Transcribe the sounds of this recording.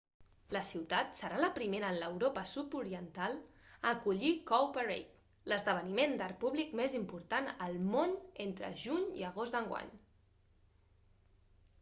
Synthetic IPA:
ləsiwt̪at̪səɾaləpɾimeɾəːnləwɾopəsupuɾiənt̪alˠ | əkuʎikowpərḛjk̪ | ləzðəβ̞ənimend̪aɾpuβlikmezimpuɾt̪anəlˠmonent̪ɾə̰ʒuɲḭəɣ̞ozd̪əŋɡwa̰ɲ

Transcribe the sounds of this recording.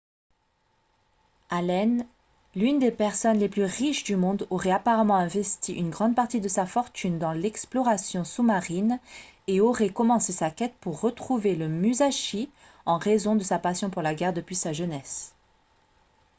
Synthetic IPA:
alɛn | lynd̪epɛʁsɔnleplyʁiʃd̪ymɔ̃d̪ɔʁɛapaʁamɑ̃ɛ̃vɛst̪iʔynɡʁɑ̃d̪̚paʁt̪id̪əsafɔʁt̪ynd̪ɑ̃lɛksplɔʁasjɔ̃sumaʁineɔʁɛkɔmɑ̃sesakʲɛt̪̚puʁːət̪χuveləmyzaʃi | ɑ̃ʁezɔ̃d̪əsapasjɔ̃puʁlaɡʲɛʁd̪əpɥisaʒənɛs

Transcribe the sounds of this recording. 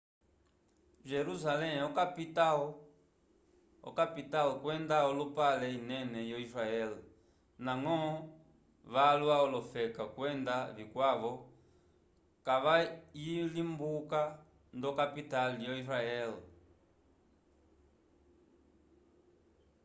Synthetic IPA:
ʒɛɾusalɛɔkapitaɔ | ɔ̰kapitalkwɛndaɔlupalɛinɛnɛjɔisɾaɛl | naŋɔ | βalwaɔlɔfɛkakwɛndaβikwaʋɔ | kaʋajilimbuka | ndɔkapitalijɔisɾaɛl

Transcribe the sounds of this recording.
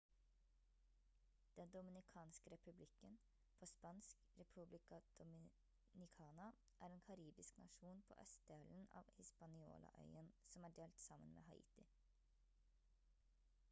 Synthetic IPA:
d̪̥ɛnd̪ʊmɪnɪkʰɑːnskəɾɛpʉblɪkːən | pʰɔspɑnsk | ɾɛpʰʉblɪkɑd̪̥ʊmɪ | nɪkʰɑːnɑ | ʔæːɾeːnkʰɑɾiːbɪsknɑ̰ʂuːnpʰo̰ːʔœst̪̚d̪eːln̩ɑ̰ːʋhɪspɑnɪo̰ːlʔɑ̰ʔœ̰ʏənsɔmæːɖeːlt̪sɑmːənmḛːɦɑʔḭːt̪ɪ

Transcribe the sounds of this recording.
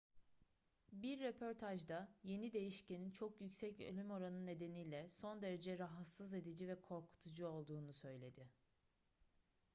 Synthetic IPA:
biɾːepʰo̞ɾt̪ʰaʒd̪aje̞nid̪e̞jiʃce̞nint͡ʃʰo̞kjycsɛcø̰lʲymo̞ɾanɯnːe̞d̪e̞nijlʲɛso̞nd̪e̞ɾe̞d͡ʒɛɾaɦat̪sɯze̞d̪id͡ʒivɛkʰo̞ɾkʰu̥t̪ʰud͡ʒuo̞lˠd̪uːnusø̞jlʲe̞d̪ɪ

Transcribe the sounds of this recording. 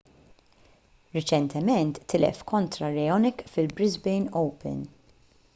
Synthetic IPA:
ɾɪt͡ʃɛnt̪ʰɛmɛnt̪ːɪlɛ̰fkʰɔnt̪ɾɐɾɛjɔnɛkfɪlbɾɪzbɛjnɔwpɛ̰n

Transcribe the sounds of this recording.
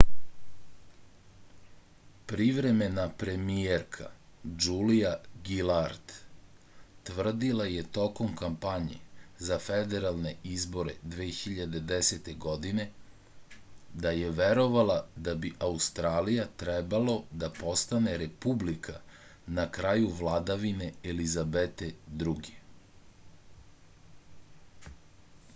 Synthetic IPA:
pɾiʋɾe̞me̞napɾe̞mijeɾkʰa̰d͡ʒulijaɡilaɾt̪ | t̪ʋr̩d̪ilaje̞t̪o̞ko̞mkampaɲḛzafed̪e̞ɾalˠne̞izbo̞ɾe̞̰d̪ʋeːxiʎad̪e̞d̪eset̪e̞ɡo̞d̪ine̞ | d̪aje̞ʋeɾo̞ʋalad̪abiʔaust̪ɾaːlijat̪ɾebalo̞d̪apo̞st̪ane̞ɾe̞publikʰa | nakɾajuʋlˠad̪aʋine̞elizabet̪e̞d̪ɾuɡe

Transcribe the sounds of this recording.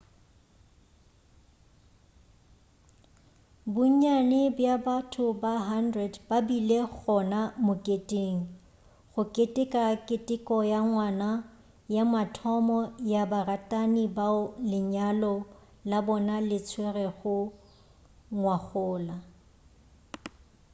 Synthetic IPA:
bʊɲanɪbjabatʰʊbaɦandrɛdbabileɣɔnamʊkʼetʼeːŋ̩ | χʊkʼetʼɪkʼakʼɪtʼɪkʼɔjaŋwana | jamatʰɔmɔjabaratʼanibaʊlɪɲalɔ | labɔnalɪt͡sʰwerɛɣʊ | ŋwaχʊːla

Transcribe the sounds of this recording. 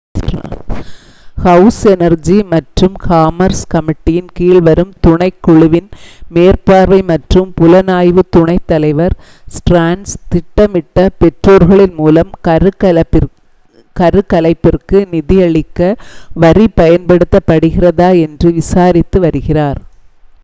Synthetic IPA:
hɐʊsɛnɐɾd͡ʒimɐʈrɯmkaːmɐɾskɐmɪʈːijɪnkiːɭʋɐɾɯmt̪ʊɳɐɪkːʊɭɯʋɪnmeːɾpaːɾʋɐɪmɐʈrɯmpʊlɐnaːjʋɯt̪ʊɳɐɪt̪ːɐlɐɪʋɐɾ | sʈɾaːɳst̪ɪʈːɐmɪʈːɐpɛʈroːɾɣɐɭɪnmuːlɐmɾɯɐ | kɐɾɯkɐlɐɪpːɪrkɯnɪðɪjɐɭɪkːɐʋɐɾipɐjɐnpɐɽɯt̪ːɐpːɐɽɯɣɪrɐðaːɛndrɯʋɪsaːɾɪt̪ːɯʋɐɾɯɣɪraːɾ

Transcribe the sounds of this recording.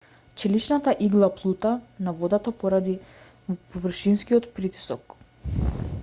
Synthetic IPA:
t͡ʃɛlit͡ʃnat̪aʔiɡlˠaplˠut̪anavɔd̪at̪apɔɾad̪i | pɔvr̩ʃinskiɔt̪pɾit̪i̥sɔk

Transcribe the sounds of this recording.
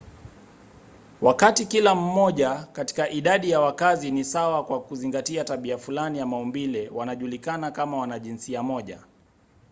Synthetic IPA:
wakatikilam̩mɔʄakati̥kaʔiɗaɗijawakazinisawakwakuziŋɡatiataɓiafulanijamaumbilɛwanaʄulikanakamawanaʄinsiamɔʄa̰

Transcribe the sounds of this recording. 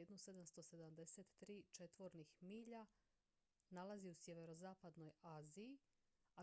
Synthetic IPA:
ed̪nused̪amst̪o̞se̞d̪amd̪e̞set̪ːɾiːt͡ʃe̞t̪ʋo̞ɾnixmiːʎa | nalaziusjeʋe̞ɾo̞zaːpad̪no̞jaːzii | a

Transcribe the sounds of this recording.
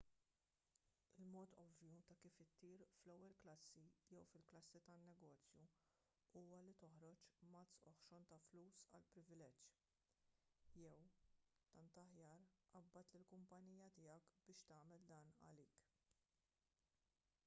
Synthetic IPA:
ɪlmɔːt̪ɔvjut̪ɐkiːfɪt̪ːiːɾflɛwːɛlklɐsːijɛwfɪlklɐsːit̪ɐnːɛɡɔːt͡sju | uːwɐlit̪ɔħɾɔt͡ʃmɐt̪sɔħʃɔnt̪ɐfluːsɐ̰lpɾɪvɪlɛd͡ʒ | jɛwt̪ɐnt̪ɐħjɐːɾʔɐbːɐt̪lɪlkʊmpɐniːjɐt̪ɪːjɐkbɪːʃt̪ɐːmɛld̪ɐːnɐ̰liːk

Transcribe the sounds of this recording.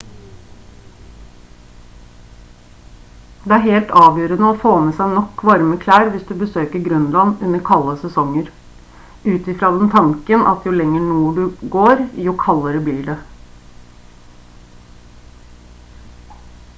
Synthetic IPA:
d̪̥ɛæːɾheːlt̪ɑːʋjøːɾənəofoːmɛsæɪnɔkːʋɑɾməkʰlæːɾʋɪsd̪ʉbəsøːkəɾɡɾœnlɑnʉnːəɾkʰɑlːəsɛsɔŋːəɾ | ʉːt̪ɪfɾɑːd̪ɛnt̪ʰɑŋkənʔɑ̰t̪jʊlɛŋːəɳuːəɖʉɡoːɾjʊkʰɑlːəɾəbliːɖɛ

